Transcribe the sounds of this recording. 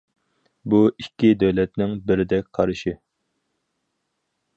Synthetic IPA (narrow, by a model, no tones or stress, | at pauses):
buikʲːid̪øwlɛt̪nɪŋbɪɾɪd̪ɛk̚ʲqʰɑɾɨʃi